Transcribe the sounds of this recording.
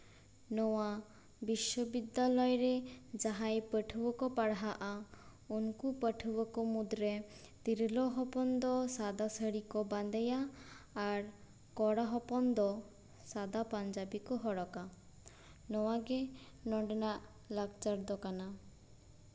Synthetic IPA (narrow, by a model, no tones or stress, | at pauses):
nɔwa | biʃɔbid̪ːalɔjɔɾed͡ʒaɦajpəʈʰubɔkɔpaɽɦaʔa | unkupəʈʰubɔkɔmud̪ɾe | t̪iɾlɔɦɔpɔnd̪ɔsad̪asəɽikɔband̪ɛjaː | ɾ | kɔɽaɦɔpɔnd̪ɔ | sad̪apand͡ʒabikɔɦɔɽɔka | nɔwaɡe | nɔɖɔnaʔ | laɡt͡ʃaɾd̪ɔkana